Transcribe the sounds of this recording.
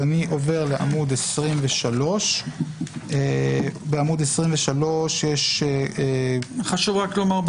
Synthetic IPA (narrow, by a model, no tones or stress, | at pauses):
aniʔo̞ve̞ʁleʔamud̪esʁimveʃalo̞ʃ | ebeamud̪esʁimveʃalo̞ʃjeʃeχaʃuvʁaklomaʁb